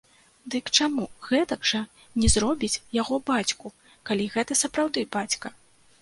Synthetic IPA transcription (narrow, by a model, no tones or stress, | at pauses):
d̪ɨkt͡ʂamuɣɛt̪ɐɡʐɐ | nʲɛzɾɔbʲit͡sʲjaɣɔbat͡sʲku | kalʲiɣɛt̪ɐsɐpɾawd̪ɨbat͡sʲkɐ